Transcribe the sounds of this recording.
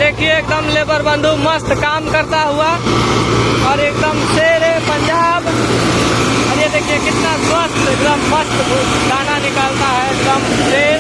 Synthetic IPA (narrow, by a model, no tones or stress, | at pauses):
d̪eːkʰijeːk̚d̪əmleːbəɾbə̃nd̪ʱuməst̪kaːmkəɾt̪aɦua | ɔːɾeːk̚d̪əmseːɾepəɲd͡ʒaːb | əɾjed̪eːkʰijekɪt̪nasməst̪ekd̪əmːəst̪bʱ | d̪ʱaːnanɪkalt̪aɦɛekd̪əmseːɾ